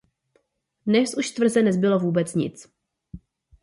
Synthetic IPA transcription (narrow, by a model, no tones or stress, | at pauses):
dnɛsʔuʃt̪vr̩zɛnɛzbɪlo̞vuːbɛt͡sɲɪ̰t͡s